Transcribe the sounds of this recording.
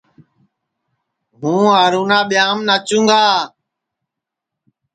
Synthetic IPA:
mũːaːɾuːnaːɓɪjaːmnaːt͡ʃũːŋɡaː

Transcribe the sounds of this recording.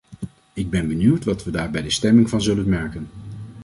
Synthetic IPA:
ɪɡ̚bɛnbənywtʋɑtʋədaːɹbɛjdəstɛmɪŋvɑnzɵlənmɛɹkən

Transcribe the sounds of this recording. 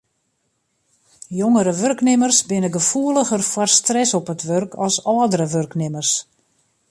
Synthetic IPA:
joŋəɾəʋørknɪmərsbɪnəɡəfuəlˠəɣərfɔrstrɛsɔpətʋørkʰɔlˠsɔːdəɾəʋørknɪmərs

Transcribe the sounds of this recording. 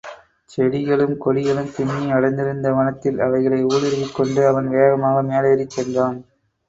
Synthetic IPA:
t͡ʃɛɽɪɣɐɭɯmkɔɻɪɣɐɭɯmsɪnːiɐɽɐɪnd̪ɪɾɯnd̪ɐʋɐnɐt̪ːɪlɐ̰ʋɐɪɣɐɭɐɪuːɭɪɾɯʋɪkːɔɳɖɯɐʋɐnʋeːɣɐmaːɣɐmeːleːɾit͡ʃːɛndraːn

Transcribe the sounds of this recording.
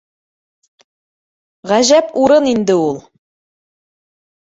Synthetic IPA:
ʁæʑæpuɾɤnind̪ɘulˠ

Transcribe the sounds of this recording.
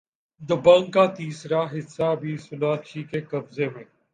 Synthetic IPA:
d̪əbə̃ŋɡkːaːt̪iːsɾaːɦɪsːaːbʱiːsʊnaːʃʰiːkekɐbzeːmẽː

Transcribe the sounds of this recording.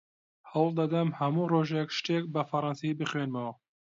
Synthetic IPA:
hɐwlˠd̪ɐd̪ɐmhɐmuroʒekʃt̪ek̚bɐfɐɾˤɑnsibɨχwenmɐwɐ

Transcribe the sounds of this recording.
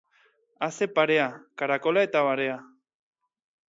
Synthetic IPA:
asepaɾeakaɾakolaet̪aβaɾea

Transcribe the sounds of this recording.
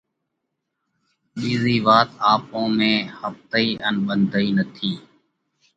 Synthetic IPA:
ɓiːziːʋaːt̪aːpõːmẽːhəft̪əiːʔənɓənd̪ʱəiːnət̪ʰiː

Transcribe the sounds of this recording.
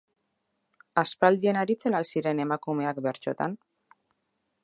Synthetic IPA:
aspald̪ie̞naɾit͡se̞nalsiɾe̞ne̞makume̞akbe̞ɾt͡ʃo̞t̪a̰n

